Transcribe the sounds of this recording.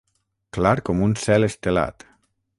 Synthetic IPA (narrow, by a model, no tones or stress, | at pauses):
klaɾkomunsɛlest̪ela̰t̪